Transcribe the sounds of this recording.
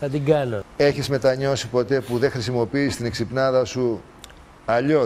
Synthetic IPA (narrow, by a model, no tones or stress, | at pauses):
θɐt̪iɡɐnoe̞çizme̞t̪ɐɲo̞sipo̞t̪e̞puðe̞xɾisimo̞piːst̪ine̞ksipnɐðɐsu | ɐʎo